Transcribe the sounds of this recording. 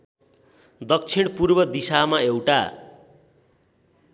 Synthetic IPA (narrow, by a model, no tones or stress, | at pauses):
d̪ʌk̚t͡sʰiɽ̃purbʌd̪isamaewʈa